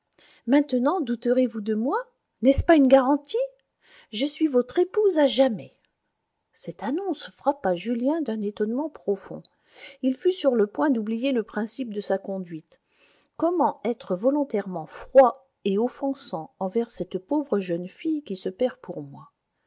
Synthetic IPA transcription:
mɛ̃t̪ənɑ̃d̪ut̪əʁevud̪əmwa | nɛspaynɡaʁɑ̃t̪i | ʒəsɥivɔt̪χepuzaʒamɛ | sɛt̪anɔ̃sfχapaʒyljɛ̃d̪ɛ̃net̪ɔnmɑ̃pχɔfɔ̰̃ | ilfysyʁləpwɛ̃d̪ublijeləpχɛ̃sip̚d̪əsakɔ̃d̪ɥit̪ | kɔmɑ̃ɛt̪χəvɔlɔ̃t̪ɛʁmɑ̃fχwa | eɔfɑ̃sɑ̃ɑ̃vɛʁsɛt̪povʁəʒœnfijkʲisəpɛʁpʰuʁmwa

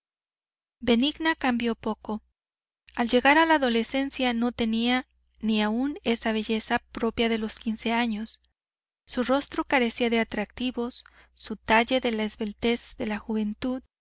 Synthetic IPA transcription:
be̞niɡnakambjo̞po̞ko̞ | alʝe̞ɣaɾalaːðo̞le̞se̞nsjano̞t̪e̞nia | niaune̞saβ̞e̞ʝe̞sapɾo̞pjaðe̞lo̞skinse̞aɲo̞sː | uro̞st̪ɾo̞kaɾe̞siaðe̞at̪ɾak̚t̪iβo̞sː | ut̪aʝe̞ðe̞laezβe̞lt̪e̞zðe̞laxuβe̞nt̪uð

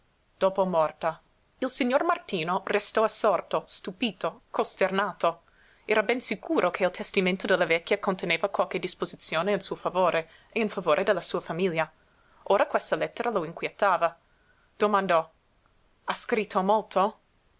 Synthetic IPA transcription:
d̪̥oːpomɔrt̪a | ilsiɲormart̪iːnorest̪ɔasːɔrt̪ost̪upiːt̪okost̪ernaːt̪o | ɛːɾabɛnsikʰuːɾʔokʰeilt̪ʰest̪imẽnt̪od̪elːavɛkʲːjakont̪eneːvakwalked̪ispozit̪sjoːneinsuːofavoːɾʔe | einfavoːɾʔed̪elːasuːɐfamilja | oːɾakwest̪alɛt̪ːeɾaloiŋkwjet̪ːaːva | d̪̥omand̪ɔ | askɾit̪ʰːomolt̪ʰo

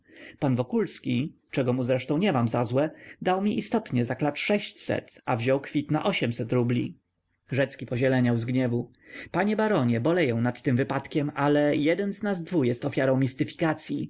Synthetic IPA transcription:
panvɔkulskʲit͡ʂɛɡɔmuzɾɛʂt̪ɔ̃w̃ɲɛmamzazwɛd̪awmʲiʔist̪ɔt̪ɲɛzaklat͡ʂʂɛɕt͡ɕsɛ̰t̪avʑɔwkfʲit̪na̰ʔɔɕɛmsɛt̪ɾublʲḭ | ʐɛt̪skʲipɔʑɛlɛɲawzɡɲɛvu | paɲɛbaɾɔɲɛbɔlɛjɛ̃w̃nat̪ːɘmvɘpat̪kʲɛmʔalɛjɛd̪ɛnznazd̪vujɛst̪ɔfʲjaɾɔ̃w̃mʲist̪ɘfʲi̥kat̪sʲji

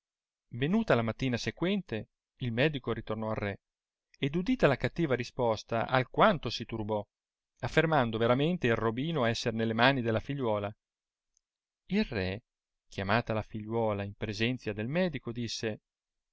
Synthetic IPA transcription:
venuːt̪alamat̪ːiːnasekwɛnt̪e | ilmɛːd̪ikoɾit̪ornɔarːɛ | ed̪ud̪iːt̪alakat̪ːiːvaɾispɔst̪a̰ʔalkwant̪osit̪urbɔ | afːermand̪oveɾament̪eilrrobiːnoɛsːernelːemaːnid̪elːafiʎːwɔːla | ilrɛ | kjamaːt̪alafiʎːwɔːlaimpɾezɛnt̪sjad̪elmɛːd̪ikod̪isːe

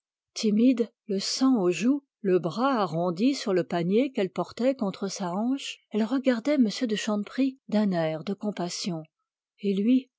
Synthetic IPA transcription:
t̪imid̪ | ləsɑ̃oʒu | ləbʁaːʁɔ̃d̪isyʁləpaɲjekɛlpɔʁt̪ɛkɔ̃t̪χəsaɑ̃ʃɛlʁəɡaʁd̪ɛməsjød̪əʃɑ̃npχid̪ɛ̃nɛʁd̪əkɔ̃pasjɔ̃ | elɥi

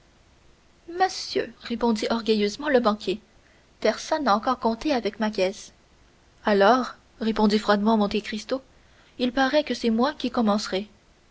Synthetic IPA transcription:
məsjø̰ʁepɔ̃d̪iʔɔʁɡʲəjøzmɑ̃ləbɑ̃kʲje | pɛʁsɔnːaɑ̃kɔʁkɔ̃t̪eavɛkmak̬ʲɛs | alɔːʁ | ʁepɔ̃d̪ifχwad̪mɑ̃mɔ̃t̪ekʁist̪o | ilpaʁɛkəsɛmwɛ̃kʲikɔmɑ̃sʁɛ

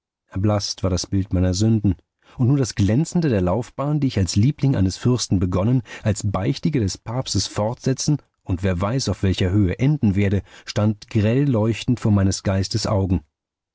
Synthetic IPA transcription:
ʔɛɐblastv̥aːɐɾasb̥ɪltmaɪnɐzʏndn̩ | ʔʊntnuːɐdasɡ̥lɛnt͡sn̩dədeːɐlaʊfb̥aːndiːɪçalsliːplɪŋʔa̰ɪnəsfʏɐstn̩bəɡɔnənʔalsb̥aɪçtɪɡədɛspʰaːpstəsfɔʁtz̥ɛt͡sn̩ | ʔʊntv̥eːɐvaɪsaʊfv̥ɛlçɐɦøːəʔɛndn̩veːɐɾəʃtantɡ̥ʁɛlːɔʏçtn̩tfoːɐmaɪnəsɡ̥aɪstəsʔa̰ʊɡŋ̩

